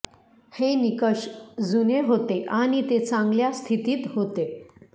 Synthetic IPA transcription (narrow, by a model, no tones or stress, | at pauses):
henikəɕd͡zuneɦot̪eʔaɽ̃it̪et͡sãŋɡljast̪ʰit̪iːt̪ɦot̪e